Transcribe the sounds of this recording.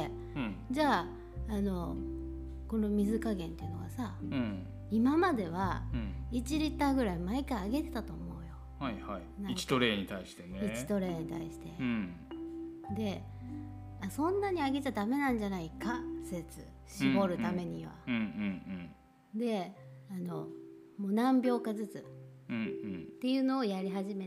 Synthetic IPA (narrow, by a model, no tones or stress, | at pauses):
d͡ʑaː | no̞ | ko̞no̞mʲizɨkaɡẽ̞nt̪eiɯ̟no̞ɡasa | imamad̪e̞β̞ait͡ɕiɾʲit̪ːaːɡɯ̟ɾaimaikaiaɡe̞t̪e̞t̪at̪o̞ːmo̞ɯ̟jo̞ | hahainait͡ɕi̥t̪oɾe̞ːɲit̪aiɕi̥t̪e̞neit͡ɕi̥t̪o̞ɾe̞ːɲ̟it̪a̰iɕi̥t̪e̞ | d̪e̞ | asõ̞nːaɲ̟iaɡe̞t͡ɕad̪ame̞nãɲ̟d͡ʑanaikaset͡sɨ̰ | ɕibo̞ɾɯ̟t̪ame̞ɲ̟iβa̰ɯ̃ | d̪e̞ano̞̰ | mo̞ːnãmbʲjo̞ːkazɨt͡sɨ̃ | t̪ːe̞jɯ̟no̞ːjaɾʲiɦaʑime